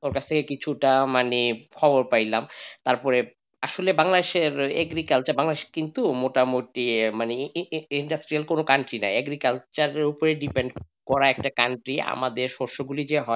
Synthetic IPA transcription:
oɾkat͡ɕʰt̪ʰekekit͡ɕʰuʈamanikʰɔboɾpajlamt̪aɾpɔɾe | aʃolebaŋlad̪eʃeɾɛ̰ɡɾikalt͡ɕaɾbaŋlad̪eʃe̥kint̪umoʈamoʈimaniiɳɖasʈɾialkonokaɳʈɾina̰jɛɡɾikalt͡ɕaɾeɾupoɾeɖipeɳɖ | kɔɾaɛk̚ʈakaɳʈɾia̰mad̪eɾʃoɾʃoɡulid͡ʑeɦɔe

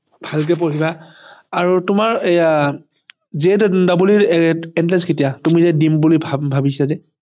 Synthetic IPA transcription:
b̥ʱalk̬ɛp̬oɹiba | aɹutʊmaɹa | zɛdabuliɹɛɛntɹɛskʰetijatumizɛdimbulibʱbʱabisazɛ

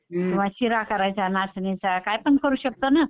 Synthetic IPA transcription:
um̤aɕiɾakəɾajt͡sanasnet͡sakajpəɳkəɾuːɕək̚t̪ona

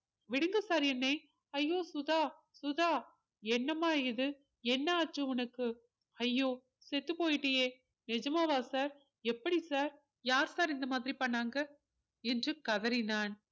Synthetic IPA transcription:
ʋɪɽɯŋɡɯsaːɾɛnːɐɪ | ɐjːoːsʊðaː | sʊðaː | ɛnːɐmaːɪðɯ | ɛnːɐaːtrɯʊnɐkːɯ | ɐjːoː | sɛt̪ːɯpoːjɪʈːɐjeː | nɛd͡ʒɐmaːʋaːsaːɾ | ɛpːɐɽisaːɾ | jaːɾsaːɾɪnd̪ɐmaːðɪɾipɐɳːaːŋɡɐ | ɛndrɯkɐðɐɾɪnaːn

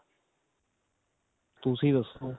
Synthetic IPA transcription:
t̪usĩːd̪əsoː

